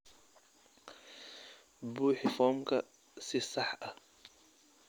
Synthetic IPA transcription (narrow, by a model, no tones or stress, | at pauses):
buːħɪfɔːmkʰɐ | sɪsɑħɐ